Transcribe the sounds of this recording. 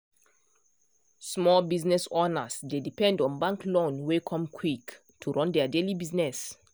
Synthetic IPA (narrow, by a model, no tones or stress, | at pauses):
smɔlbiznɛsɔnəsdedipɛ̃ndɔ̃nbãŋklõnwekʰɔ̃mkʰwik | tʰuɹɔ̃ndɛadelibiznɛs